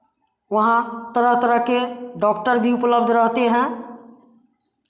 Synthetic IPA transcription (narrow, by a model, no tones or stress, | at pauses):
wəɦãt̪əɾəɦt̪əɾəɦkeɖɔkʈəɾbʱiupləb̚d̪ʱɾəɦt̪eɦɛ̃